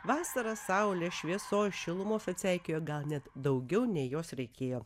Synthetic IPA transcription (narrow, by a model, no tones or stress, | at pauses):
ʋɑːsɐɾɐssɐʊlʲeʃʲʋʲiɛsoːjʃʲɪlˠʊmoːfʲɐt̪ʲsʲɛɪkʲeːjoːɡɐlˠnʲɛt̪d̪ɐʊɡʲɛʊnʲɛɪjoːsɾʲɛɪkʲeːjoː